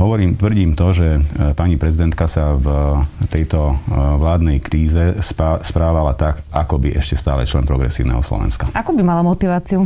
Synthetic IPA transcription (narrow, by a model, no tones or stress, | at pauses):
ɦɔʋɔɾiːmt̪ʋr̩ɟiːmt̪ɔʒɛpaɲipɾɛzid̪ɛnt̪kasavt̪ɛjt̪ɔʋlaːd̪nɛjkɾiːzɛspspɾaːʋalat̪akakɔbiʔɛʃcɛst̪aːlɛ̰t͡ʃlɛnpɾɔɡɾɛ̰siːʊnɛ̰ːɦɔslɔ̰ʋɛ̰nskaakubimalamɔt̪iʋaːt͡siu